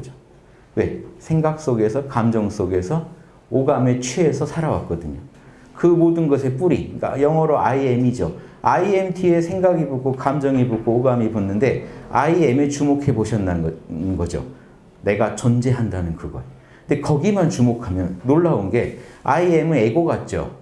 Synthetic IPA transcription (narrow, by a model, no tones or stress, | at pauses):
d͡ʑo | we̞sʰe̞ŋɡak̚s͈oɡe̞sʰʌkamd͡ʑʌŋs͈oɡe̞sʰʌ | oɡamet͡ɕʰweːsʰʌsʰaɾawa̰k͈ʌdɯɲo | kɯmodɯnɡʌsʰep͈uɾia̰jʌŋʌɾoʔaiemid͡ʑoaiemtʰie̞sʰe̞ŋɡaɡiboɡokamd͡ʑʌŋiboɡoːɡamibonːɯnde̞a̰iemet͡ɕumokʰe̞boɕʰʌnːanɡʌd͡ʑo̰ | ne̞ɡat͡ɕʌnd͡ʑe̞ɦandanɯnkɯɡʌ̰e | nde̞kʌɡimant͡ɕumokʰamjʌnːoɭːaonɡe̞aiemɯe̞ɡʌɡat̚t͡ɕ͈o̰